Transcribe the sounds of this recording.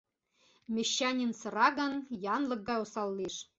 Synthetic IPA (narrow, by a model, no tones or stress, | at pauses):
mʲĕɕːɑnʲinsɤ̆ɾɑɡɤ̆njɑnlˠɤ̆k̚ɡɑosɑlˠːiʂ